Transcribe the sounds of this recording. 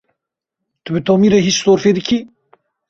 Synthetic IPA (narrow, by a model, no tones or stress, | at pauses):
t̪ubɨt̪ʰoːmiɾeɦit͡ʃsoːɾfeːd̪ɨkʰi